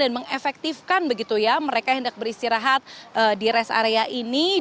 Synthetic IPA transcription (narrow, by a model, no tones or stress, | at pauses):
anməŋefɛk̚t̪ifkanbəɡit̪ujaməɾekahəndak̚bəɾist̪iɾaɦat̪̚ʔədiɾɛsa̰ɾeaʔini